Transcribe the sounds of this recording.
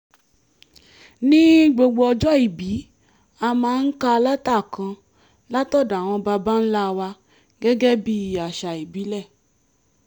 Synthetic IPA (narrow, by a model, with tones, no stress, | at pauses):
nĩ˦ɡ͡bo˧ɡ͡bo˧ɔ˧d͡ʒɔ˦i˨bi˨˦ | a˧mãː˧˦n̩˦ka˧la˦ta˦˨kã˧ | la˦tɔ˦˨da˨w̃ɔ̃˧ba˧ba˦n̩˦la˦˧wa˧ | ɡɛ˦ɡɛ˦bi˦i˨a˨ʃa˨i˨bi˨˦lɛ˦˨